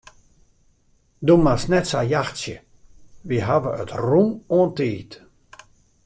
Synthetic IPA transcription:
dumasnɛtsajaxtsjə̰ | ʋiɦaʋəə̰trumoəntiːt

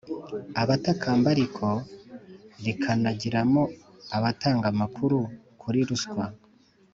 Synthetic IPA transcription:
aβatakʰaːmbaɾikʰo | βikʰanaɟiɾamo | aβataːŋɡamakʰuɾu | kʰuɾiɾuskwa

